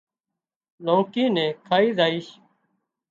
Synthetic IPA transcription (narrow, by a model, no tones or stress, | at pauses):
lõːkĩːnɛ̃ːkʰaːiːzaːiːʃ